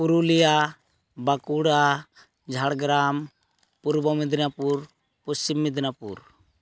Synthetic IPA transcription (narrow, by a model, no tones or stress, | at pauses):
puɾulija | bakuɽa | d͡ʒʱaɽɡɾam | puɾbɔmid̪napuɾ | pɔst͡ʃimːid̪napṵɾ